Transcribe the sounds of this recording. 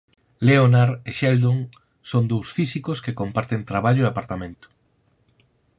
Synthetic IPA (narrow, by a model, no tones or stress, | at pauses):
leonaɾeʃɛld̪oŋ | sond̪owsfisikʊskekompaɾt̪ent̪ɾaβaʎʊeapaɾt̪amẽnt̪ʊ̥